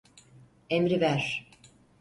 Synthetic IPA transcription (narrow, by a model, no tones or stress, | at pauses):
emɾivæɾ̥